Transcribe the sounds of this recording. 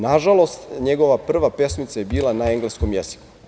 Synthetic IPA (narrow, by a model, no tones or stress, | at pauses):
naʒalˠo̞st̪ɲeɡo̞ʋapr̩ʋape̞smit̪sajebiːlˠanaeŋɡlesko̞mjez̥i̥ku̥